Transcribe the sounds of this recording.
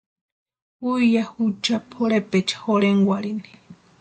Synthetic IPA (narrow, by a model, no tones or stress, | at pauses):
uijahut͡ʃapʰoɾepet͡ʃḁhoɽeŋɡʷaɾini̥